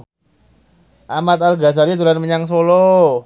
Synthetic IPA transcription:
ʔamat̪̚alɡasaɾit̪uɾanməɲaŋs̬olo

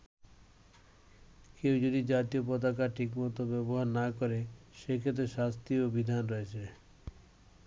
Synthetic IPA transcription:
kewd͡ʑod̪id͡ʑat̪iopɔt̪̬akaɾʈʰikmɔt̪obɛboɦaɾnakɔɾeʃekʰet̪̬ɾeʃast̪iobid̪ʱanɾɔet͡ɕʰe

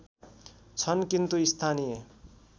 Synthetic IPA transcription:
t͡sʰʌnkint̪uist̪ʰanije

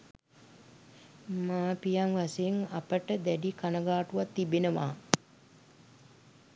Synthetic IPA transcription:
maːpijaŋʋaseːŋapəʈəd̪æɖikanəɡaːʈuʋat̪ːibenəʋa̰ː

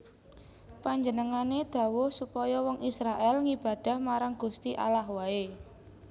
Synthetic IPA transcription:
paɲd͡ʒənəŋaned̪̥ä̤wosupɔjɔwɔŋisɾaʔɛlŋib̥a̤d̪̥a̤hmaɾaŋɡ̥ust̪iʔa̰lahwae

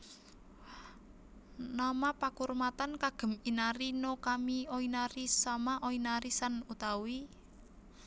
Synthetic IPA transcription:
namapakurmat̪ankaɡ̥ə̤minaɾinokamiɔinaɾisamaʔɔinaɾisanut̪awi

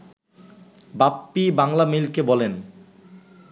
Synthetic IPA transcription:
bapːibaŋlamilkebɔlen

